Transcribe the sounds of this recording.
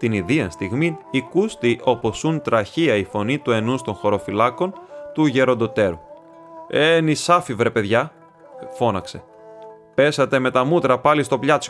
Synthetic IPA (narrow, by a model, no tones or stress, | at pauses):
t̪iniðiɐnst̪iɣminikust̪iʔo̞po̞sunt̪ɾɐçiɐifo̞nit̪ue̞nust̪o̞ŋxo̞ɾo̞filɐko̞nt̪uʝe̞ɾo̞nd̪o̞t̪e̞ɾṵ | enisɐfivɾe̞pe̞ðʝɐ | fo̞nɐkse̞ | pe̞sɐt̪e̞me̞t̪ɐmut̪ɾɐpɐlist̪o̞pʎɐt͡s